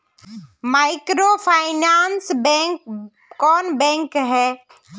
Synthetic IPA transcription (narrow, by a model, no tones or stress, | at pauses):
maːɪkɾoːpʰaːɪnaːnsbɛkː | ɔːnbɛ̃ŋkɦɛː